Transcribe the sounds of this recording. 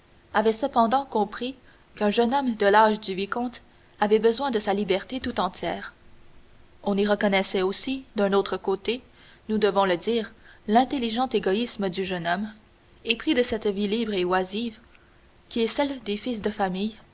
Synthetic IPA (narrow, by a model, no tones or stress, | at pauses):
avɛsəpɑ̃d̪ɑ̃kɔ̃pχi | kɛ̃ʒənɔmd̪əlaʒd̪yvikɔ̃t̪ | avɛbəzwɛ̃d̪əsalibɛʁt̪et̪ut̪ɑ̃t̪ʰʲjɛːʁ | ɔ̃niʁəkɔnɛsɛosid̪ɛ̃not̪χəkot̪e | nud̪əvɔ̃ləd̪iːʁlɛ̃t̪eliʒɑ̃t̪eɡɔisməd̪yʒənɔm | epχid̪əsɛt̪vilibʁewaziv | kʲiɛsɛld̪efisd̪əfamij